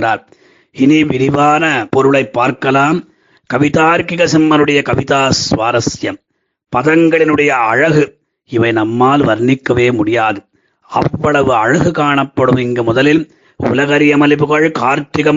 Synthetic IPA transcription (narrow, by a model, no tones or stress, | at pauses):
ra̰ːl | ɪniʋɪɾɪʋaːnɐpɔɾɯɭɐɪpːaːɾkɐlaːm | kɐʋɪt̪aːɾkɪɣɐsɛmːɐnɯɽɐjɐkɐʋɪt̪aːsʋaːɾɐsjɐm | pɐðɐŋɡɐɭɪnɯɽɐjɐːɻɐɣɯ | ɪʋɐɪnɐmːaːlʋɐɾnɪkːɐʋeːmʊɽɪjaːðɯ | ɐ̰ʋːɐɭɐʋɯɐɻɐɣɯkaːɳɐpːɐɽɯmɪŋɡɐmʊðɐlɪl | ʊ̰lɐɣɐɾɪjɐmɐlɪpɯɣɐɻkaːɾt̪ɾɪɣɐm